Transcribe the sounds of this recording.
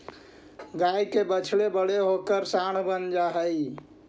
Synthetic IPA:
ɡajkebət͡ʃʰlebəɽeɦokəɾsaɽ̃bənd͡ʒaɦəj

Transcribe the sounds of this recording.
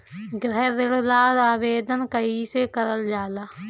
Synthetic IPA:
ɡɾɛɦðɪɽlaːɾaːʋeːd̪ənkəiːseːkəɾəld͡ʒaːlaː

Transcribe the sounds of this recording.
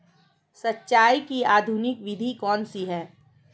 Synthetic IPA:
sɐtːʃaːjkiaːd̪ʱunɪkʋɪd̪ʱikɔːnsiɦɛː

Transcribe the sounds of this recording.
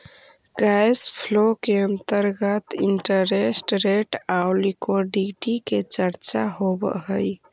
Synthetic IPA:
ɡajspʰlokeənt̪əɾɡət̪iɳʈəɾesʈɾeʈaʊlikoɖiʈiket͡ʃəɾt͡ʃaɦobə̰ɦəj

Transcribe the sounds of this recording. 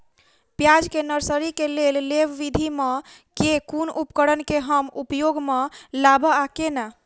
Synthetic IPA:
pjad͡ʒkenəɾsəɾikelelleʋʋid̪ʱimekekunupkəɽənkeɦəmupjoɡmelabəakena

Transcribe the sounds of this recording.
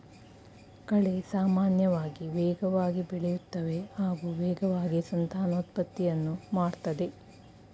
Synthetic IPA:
kɐɭe̞saːmaːnjɐʋaːɡiʋɛːɡɐʋaːɡibiɭɛjut̪ːɐʋe̞haːɡuːʋɛːɡɐʋaːɡisɐnt̪aːnoːt̪̚pɐt̪ːijɐnːumaːɽt̪ɐd̪e̞

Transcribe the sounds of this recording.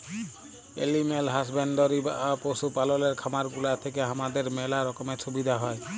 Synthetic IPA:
ḛlimelɦas̬benɖɔɾiba̰ʔaposupalɔleɾkʰamaɾkulat̪ʰekeɦamad̪eɾmɛlaɾɔkɔmesʰubid̪ʱaɦɔj

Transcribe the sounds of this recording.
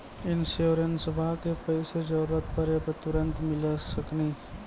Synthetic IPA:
ɪnsoɾənsəbʱakepəɪsed͡ʒəɾɾət̪pəɾepət̪ʊɾə̃nt̪mɪlesəkniː

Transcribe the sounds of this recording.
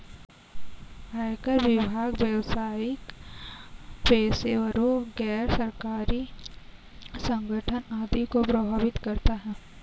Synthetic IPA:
ɦaːjkəɾʋɪbʱaːɡweːʋsaːɪk | peːseʋəɾoɡɛːɾsɐɾkaːɾi | sə̃ŋɡʱəʈʰənaːd̪ikopɾɐbʱaːʋɪt̪kɐɾt̪aɦɛ̃ː

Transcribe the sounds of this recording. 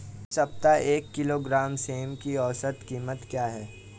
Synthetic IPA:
sɐp̚t̪aʔeːkːɪloːɡɾaːmseːmkiɔːsət̪kiːmət̪kjaːɦɛː

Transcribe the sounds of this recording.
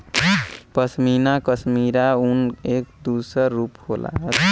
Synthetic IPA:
pəsminakəsmiɾaunekd̪usəɾːuphola̰ɦət̪

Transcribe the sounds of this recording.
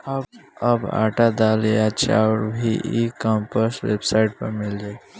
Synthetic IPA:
əbəba̰ːʈad̪aːlejat͡ʃa̰ɽbʱiʔikəmpəsʋḛbsaɪʈpəɾmɪld͡ʒaː

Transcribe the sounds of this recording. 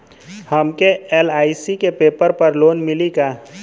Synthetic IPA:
həmkeeːlaːisikepeːpəɾpəɾloːnmɪlikaː

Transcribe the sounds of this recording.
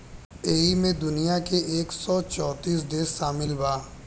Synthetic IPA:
eːimẽd̪ʊnijakeʔeːksɔt͡ʃɔːt̪iːs̬d̪eːsːaːmɪlbaː

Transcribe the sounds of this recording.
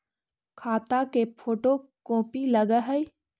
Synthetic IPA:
kʰaːt̪akepʰoːʈokõːpiləɡəɦəi

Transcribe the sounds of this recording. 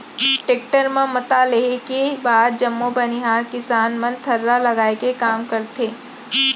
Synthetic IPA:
ʈeːk̚ʈəɾmẽmɐt̪aleekebaːd̪̚d͡ʒɐmːobɐnɪɦaːɾkɪsaːnmɐ̃nt̪ʰɐɾːalɐɡaːekekaːmkɐɾt̪ʰeː

